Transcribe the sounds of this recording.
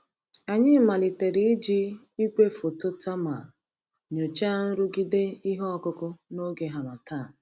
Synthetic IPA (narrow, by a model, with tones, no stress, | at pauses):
a˨ɲɪ˦ma˨li˨te˨ɾi˦i˦d͡ʒi˦ | i˦kʷe˦fo˨to˦tʰa˦ma˨ | ɲo˨t͡ʃa˦n̩˦ɾʊ˦ɡi˦de˦i˦ɦɔ˦ɔ˦kʊ˦kʊ˦no˦ɡe˨ɦa˨ma˨ta˦˨